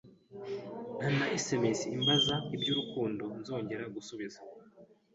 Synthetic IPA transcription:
n̥hanaisemisiːmbazaibɟuːɾukuːndo̞nzo̞ːɲɟe̞ɾaɡusuβiza

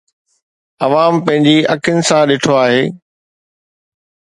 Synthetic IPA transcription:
ɐʋaːmpɐ̃ɦɪ̃ɲd͡ʑiɐkʰənɪ̆sãɗeːʈʰoaːɦeː

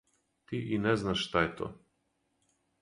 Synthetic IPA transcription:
t̪iʔinɛznaʃʃt̪aɛt̪ɔ̰

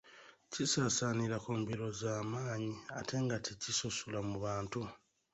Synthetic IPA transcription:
cisaːsaniɾakuːmbiɾo̞zaːmaːɲia̰te̞ŋɡatʰicisosulamuβaːntu

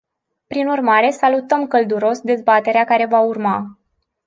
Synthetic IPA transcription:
pɾinurmaɾe̞salut̪əmkəld̪uɾo̞sd̪e̞zbat̪e̞ɾeakaɾe̞vaurma

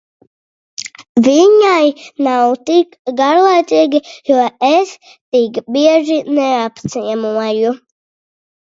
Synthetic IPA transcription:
viɲajnawt̪ikɡaɾlˠajt̪iːɡʲijuɔɛs | t̪ikbiɛʒinɛapt̪siɛmuɔju

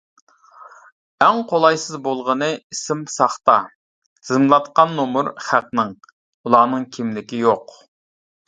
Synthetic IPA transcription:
ɛŋqʰolˠɑjsɨzbolˠʁənɨisɪmsɑχt̪ɑ | zzɨmlˠɑt̪qɑnːomuɾχæqnɨŋ | ulˠɑːnɨŋkʲʰimlɪkʲijoq

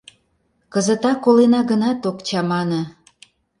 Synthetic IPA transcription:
kəzət̪ɑkːolenɑɣənɑt̪okt͡ɕɑmɑnə̆

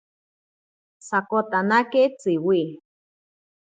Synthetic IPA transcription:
sakot̪anaket͡siwi

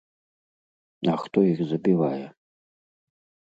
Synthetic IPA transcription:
ɐxt̪ɔixzɐbʲivajɛ

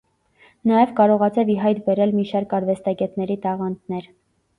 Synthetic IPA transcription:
nɑjɛvkɑɾɔʁɑt͡sʰɑviɦɑjt̪bɛɾɛlmiʃɑɾkɑɾvɛst̪ɑɡɛt̪nɛɾit̪ɑʁɑnt̪nɛɾ

